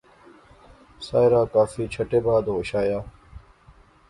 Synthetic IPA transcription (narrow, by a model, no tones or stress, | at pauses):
saːjɾaːkaːfiːt͡ɕʰɐʈeːbaːd̪oːɕaːjaː